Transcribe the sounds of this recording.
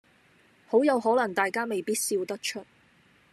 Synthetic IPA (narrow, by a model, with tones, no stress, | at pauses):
ho˨˥wjɐ˨˧wɦɔː˨˥lɐ˨˩ŋt̪aː˨jkaː˥me˨˩jpiː˥t̚siː˧wt̪ɐ˥k̚t͡ʃʰɵ˥t̚